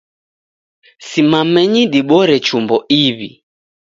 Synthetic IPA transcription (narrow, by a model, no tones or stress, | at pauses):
simamɛɲiɗiɓɔɾɛt͡ʃumbɔiβḭ